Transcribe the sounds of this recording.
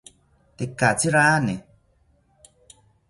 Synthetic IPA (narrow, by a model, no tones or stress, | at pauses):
tekat͡siɾaːne